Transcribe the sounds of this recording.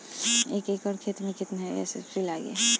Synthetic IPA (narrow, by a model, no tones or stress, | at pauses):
eːkeːkɔːɾkʰeːt̪mẽkɪt̪nɦɛɛ̰ːsḛfʰilaːɡḛː